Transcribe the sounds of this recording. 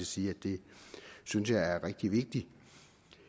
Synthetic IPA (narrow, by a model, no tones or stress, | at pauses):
siːæd̥e̝synsjɑ̈ɪæɐʁɛɡ̥̚d̥iʋe̝ɡ̥̚d̥i